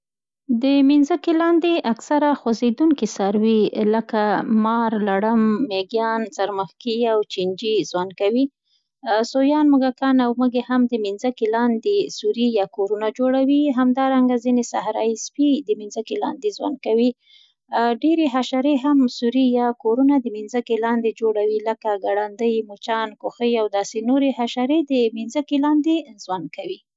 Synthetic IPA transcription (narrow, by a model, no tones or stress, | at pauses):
d̪əminzəkelɑnd̪eʔaksaɾaxwazed̪uŋkisaɾwiləkamɑɾlaɽəmːeɡjɑnsaɾməxkiawt͡ʃind͡ʒizwan̚kawi | sojɑnmʊɡakɑnawməɡehamd̪əminzəkelɑnd̪esuɾijɑkoɾunad͡ʒoɽawiɦamd̪ɑɾaŋɡazinesahɾɑ̰jispid̪əminzəkelɑ̰nd̪ezwa̰nd̪̚kawi | ɖeɾeɦaʃaɾeɦamsuɾijɑkoɾunad̪əminzəkelɑnd̪ed͡ʒoɽawiləkaɡaɽand̪əjmut͡ʃɑnkoxəjawd̪ɑsenoɾehaʃaɾed̪əminzəkelɑnd̪ezwan̚kawi